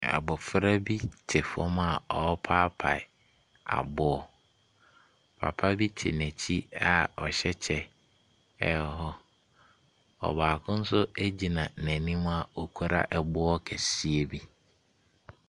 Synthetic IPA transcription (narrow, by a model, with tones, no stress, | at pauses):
a̰˨bɔ˨fɪ˦ɾa˦bi˦tʰɪ˨fɔ˦m˦a˨ɔ˨˦pʰaː˦pʰa̰˨ | a̰˨bʊ˦ɔ˨ | pʰa̰˨pʰa˦bi˦tʰɪ̰˨næ̃˨t͡ɕʰi˦a˨ɔ˨ɕɛ˦t͡ɕʰɛ˦ | ɛ˨ɔ˨ɦɔ˦ | ɔ̰˨baː˨kʰʊ̃˦n̩˦sʊ˦æ˦d͡ʑi˨nã˨næ̃˨nĩ˦m˦a˨o˨kʰu˦ɾa̰˦ʔɛ˨bʊ˦ɔ˦kʰɛ˨si˦e˦bi˦